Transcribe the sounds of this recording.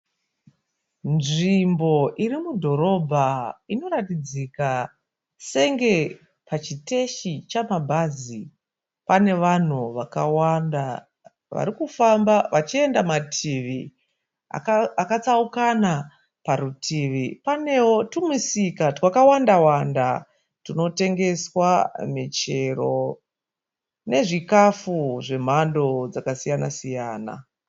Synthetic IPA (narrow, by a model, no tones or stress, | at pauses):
nʐimbo̞ʔiɾimudʱo̞ɾo̞bʱaino̞ɾatid͡zika | se̞ŋɡe̞ | pat͡ʃite̞ʃit͡ʃamabʱaːzi | pane̞ʋan̤uʋakawanda | ʋa̰ɾikufambaʋat͡ʃie̞ndamatʰiʋi | a̰kaakat͡saukana | paɾutʰiːʋipane̞wo̞tumisikatwakawandawanda | tino̞te̞ŋɡe̞swamit͡ʃe̞ro̞ | ne̞ʐikafuʐe̞m̤ando̞d͡zakasijanasijaːna̰